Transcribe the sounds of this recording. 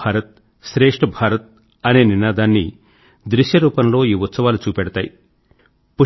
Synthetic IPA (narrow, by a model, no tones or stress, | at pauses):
aːɾɐt̪̚ | ʃɾeːʂʈɐbʱaːɾɐt̪̚ | ɐne̞ːninaːd̪aːnːḭ | d̪ɾiʃjɐɾuːpɐnlo̞ːiːʋut̪sɐʋaːlut͡ʃuːpɛɽɐt̪aːji | pu